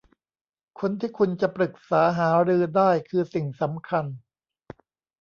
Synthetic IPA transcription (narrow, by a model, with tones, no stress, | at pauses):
kʰo˧nt̪ʰiː˥˩kʰu˧nt͡ɕa˨˩pɾɯ˨˩k̚saː˩˦ɦaː˩˦ɾɯː˧daː˥˩jkʰɯː˧si˨˩ŋsa˩˦mkʰa˧n